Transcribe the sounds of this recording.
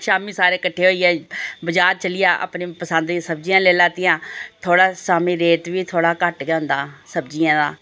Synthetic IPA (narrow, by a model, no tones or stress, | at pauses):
ʃaːmiːsaːɾeːkəʈʰːeːɦoːiːɛːbəd͡ʒaːɾt͡ʃəlɪjaːʔa̰pnĩːpəsənd̪ĩsəbd͡ʒiːãːleːlaːt̪ɪjãːt̪ʰoːɽaːsaːmĩːɾeːʈʋiːt̪ʰoːɽaːkəʈɡɛːɦʊ̃nd̪aːsəbd͡ʒɪjãːd̪aː